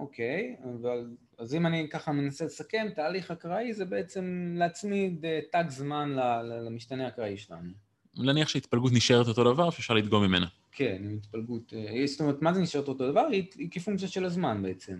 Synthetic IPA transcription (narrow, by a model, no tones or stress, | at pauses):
ʔo̞kʰe̞javal | azimanikaχame̞nasele̞sake̞mtaːliχakʁaize̞be̞et͡se̞mleat͡smidetaɡzmanlalalamiʃt̪aneakʁaiʃela̰nu | naniaχʃeait̪̚palɡut̪̬niʃeʁeto̞t̪o̞davaʁʃeːfʃaʁlit̪ɡo̞mimḛna | kʰe̞nimit̪palɡut̪estomeet̪mazeniʃe̞ʁeto̞to̞d̪avaʁiikefuŋkt͡sijaʃe̞lazmanbe̞et͡se̞m